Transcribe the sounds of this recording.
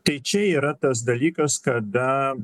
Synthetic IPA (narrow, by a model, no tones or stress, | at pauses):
t̪ɐɪt͡ʃɛiːɾɐt̪ɐs̬d̪ɐlʲiːkɐskɐd̪ɐ